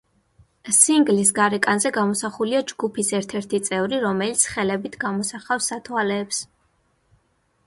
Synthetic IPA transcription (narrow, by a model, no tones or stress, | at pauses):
siŋɡlisɡaɾɛkʼanzɛɡamɔsaχuliad͡ʒɡupʰisɛɾt̪ʰɛɾt̪ʰit̪sʼɛvɾiɾɔmɛlit̪sʰχɛlɛbit̪ʰɡamɔsaχafsːat̪ʰwalɛːps